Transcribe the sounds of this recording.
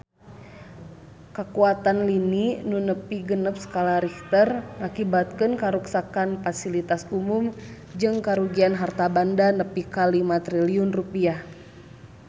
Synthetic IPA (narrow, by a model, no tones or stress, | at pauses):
kəkuat̪anlininunəpiɡənəp̚sə̥kalaɾikt̪ərŋakibat̪̚kɨnkaɾuksakanfasilit̪asumum | d͡ʒɨŋkaɾuɡianɦart̪abandanəpikalimat̪ɾiliunrupiah